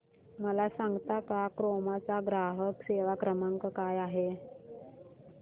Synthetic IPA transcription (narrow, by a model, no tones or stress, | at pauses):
məlasaŋɡt̪akakɾomat͡saɡɾaɦəkseʋakɾəmaŋkəkajaɦe